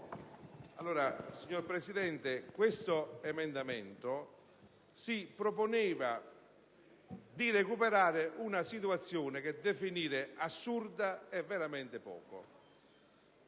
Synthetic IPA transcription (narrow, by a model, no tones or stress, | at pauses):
alːoːɾasiɲːoɾpɾɛsid̪ɛnt̪ɪkwest̪oɛmɛnd̪amɛnt̪o | sipɾoponɛːva | d̪iɾekupeɾaːɾɪʔunasit̪̬uat̪sːjɔːnɪk̟ed̪efiniːɾɪasːurd̪aɛvːɛɾamɛnt̪ɪpɔ̰ːko̰